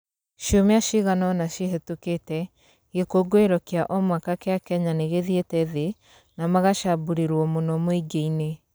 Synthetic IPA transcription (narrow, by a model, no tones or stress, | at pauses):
ʃiomeaʃiɣanɔnaʃiɦɛtuketɛ | ɣekoɡoeɾɔkeaʔɔmwakakeakɛɲaneɣeðietɛðe | namaɣaʃabuɾeɾwɔmonɔmoiɡeine